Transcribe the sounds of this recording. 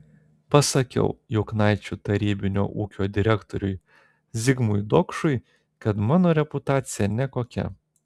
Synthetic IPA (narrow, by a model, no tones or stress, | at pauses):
pɐsɐkʲɛ̰ʊjʊʊknɑɪt͡ʃʲut̪ɐɾʲiːbʲɪnʲo̰ːʔuːkʲoːd̪ʲɪɾʲɛkt̪oɾʲʊj | zʲɪɡmʊjd̪oːkʃʊɪ | kɐt̪mɑːnoːɾʲɛpʊt̪ɑːt̪sʲɪjɛnʲɛkoːkʲɛ̰